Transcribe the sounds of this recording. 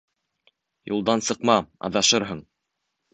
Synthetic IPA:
julˠd̪ɑnsɤ̆qmɑɑ̰ðɑʃɤɾɦɤɴ

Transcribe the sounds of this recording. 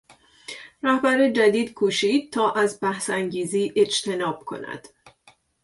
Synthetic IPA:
ræhbæɾed͡ʒæd̪iːd̪̥kʰuːʃiːd̪̚t̪ʰɒːʔæzbæhsæŋɟiːziːʔe̞d͡ʒt̪ʰe̞nɒːb̥̚kʰo̞̰næ̰d̪̥

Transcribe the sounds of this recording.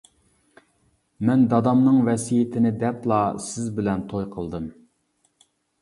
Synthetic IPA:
mɛnd̪ɑd̪ɑmnɨŋvɛsijɪt̪ʰɪnɪd̪ɛplˠɑsɪzbɪlɛnt̪ʰojqʰəlˠd̪ɨm

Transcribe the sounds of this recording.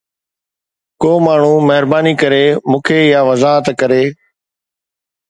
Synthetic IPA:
koːmaːɳ̤ũːməɦɪɾbaːniːkəɾeːmũːkʰeːɪjaːʋəzaːɦət̪kəɾeː

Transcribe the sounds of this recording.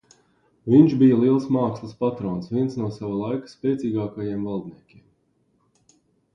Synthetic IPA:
viɲt͡ʃbijəlˠiɛlˠsmaːkslˠɨspat̪ɾoːnsviɛnsnuɔsaʋalˠajkə̥spɛːt̪sʲiːɡaːkajiɛmvalˠd̪niɛkʲiɛm

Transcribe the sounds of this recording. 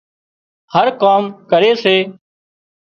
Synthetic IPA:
həɾkaːmkəɾeːseː

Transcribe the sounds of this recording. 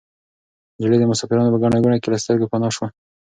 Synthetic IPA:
d͡ʒɪled̪əmʊsɑfɪɾɑnopəɡaɳ̃aɡuɳakelast̪əɾɡapanɑʃwa

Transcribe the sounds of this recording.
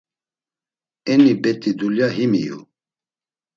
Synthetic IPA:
ɛnibɛt̪ʼid̪uljaɦimḭjṵ

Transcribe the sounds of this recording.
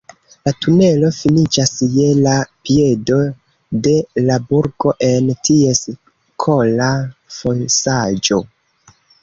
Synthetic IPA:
latune̞lo̞finit͡ʃasje̞lapiedo̞ | de̞labuɾɡo̞ʔe̞ntie̞s | kʰo̞lafonsad͡ʒo̞

